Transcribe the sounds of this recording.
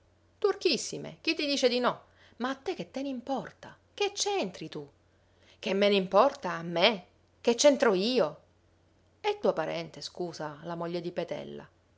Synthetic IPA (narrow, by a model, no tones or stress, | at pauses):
t̪urkisːimḛk̟it̪ːid̪iːt͡ʃed̪inɔ | maːt̪ːek̟ːet̪ːeneimpɔrt̪a | ket͡ʃːɛnt̪ɾit̪u | k̟emːeneimpɔrt̪aːmːe | k̟et͡ʃːent̪ɾoiːo | ɛt̪ːuapaɾɛ̰nt̪eskuːzalamoʎːed̪ipet̪ɛ̰lːa̰